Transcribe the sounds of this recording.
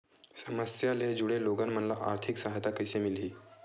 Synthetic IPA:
səməsjaled͡ʑuɽeloɡanm̤ənlaʔaɾt̪ʰiksaɦat̪akəjsemilɦiː

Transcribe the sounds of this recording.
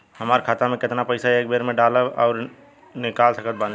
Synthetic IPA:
ɦɐmaːɾkʰaːt̪amẽkɪt̪napəɪsaeːk̚beːɾmẽɖaːləɔːɾ | nɪkaːlsəkət̪̚bãːn

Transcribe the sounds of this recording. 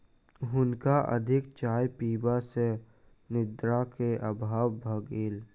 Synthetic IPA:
ɦʊnkaʔə̰d̪ʱɪkt͡ʃaːjpiːbase | nɪd̪ɾakeʔəbʱaːwbʱəɡeːl

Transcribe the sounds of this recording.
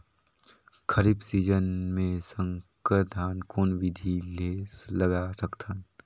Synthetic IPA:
kʰəɾiːbsiːd͡ʒənmẽsə̃ŋkəd̪ʱaːnkoːnʋɪd̪ʱileːləɡaːsɐkt̪ʰən

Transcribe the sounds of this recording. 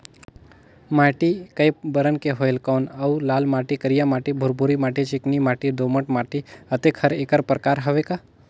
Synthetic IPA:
maːʈikɐjbəɾənkeɦojlkɔːnɐwlaːlmaːʈikəɾijamaːʈibʱʊɾbuɾimaːʈit͡ʃɪknimaːʈid̪oːməʈmaːʈiɐt̪ekʰɐɾekəɾpɾəkaːɾɦɐʋeka

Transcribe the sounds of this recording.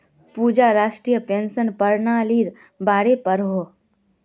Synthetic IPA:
puːd͡ʒaɾaːʃʈɾijəpensənpəɾnaliɾ | baːɽepəɾɦo

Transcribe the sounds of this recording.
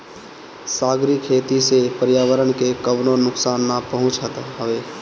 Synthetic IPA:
saːɡɾikʰːeːt̪isepəɾjaːʋəɾənkekəʋnonʊksaːnːapəɦʊ̃t͡ʃət̪ɦəʋeː

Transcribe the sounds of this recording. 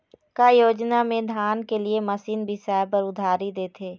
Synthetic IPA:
kajoːd͡ʒnamẽd̪ʱaːnkeliemɐsiːnbʱisɛːpəɾʊd̪ʱaːɾid̪eːt̪ʰeː

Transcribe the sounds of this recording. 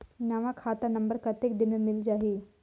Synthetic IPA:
naʋãkʰaːt̪anɐ̃mbəɾkɐt̪ekd̪ɪnẽmɪld͡ʒaːɦiː

